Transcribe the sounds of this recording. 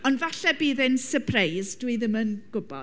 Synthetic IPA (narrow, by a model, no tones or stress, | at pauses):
ɔndvaɬɛbiːðɪnsəpʰrejzdwiðɪmənɡ̥ʊbɔ̰